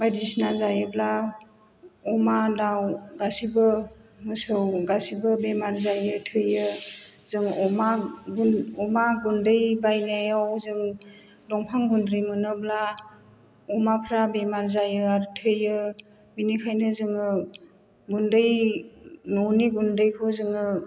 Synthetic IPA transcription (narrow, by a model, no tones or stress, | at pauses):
bajdisnazajɯbla | ɔmadawɡasibɯmɯsɯwɡasibɯbemaɾzajɯtʰɯjɯzɯŋɔmaɡnɔmaɡundɯjbajnajawzɯŋ | lɔŋpʰaŋɡundɾimɯnɯbla | ɔmapʰɾabemaɾzajɯaɾtʰɯjɯ | minikʰajnɯzɯŋɯ | ɡundɯj | nɔniɡundɯjkʰɯzɯŋɯ